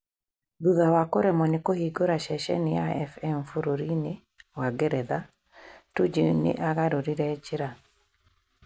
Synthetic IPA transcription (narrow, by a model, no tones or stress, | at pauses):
ðuðawakoɾɛmɔnɪkohiɡoɾaʃɛʃɛ̰nɪaɛfɛmfoɾoɾinɪ | waɡɛɾɛða | tud͡ʒinɪ̰ʔaɡaɾoɾiɾɛd͡ʒɪɾa